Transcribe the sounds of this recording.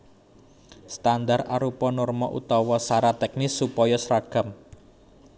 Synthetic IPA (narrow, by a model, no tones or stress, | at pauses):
st̪and̪araɾupɔnʊrmɔʔṵt̪ɔwɔsaɾat̪ɛk̚nɪsːupɔjɔsɾaɡ̥ə̤m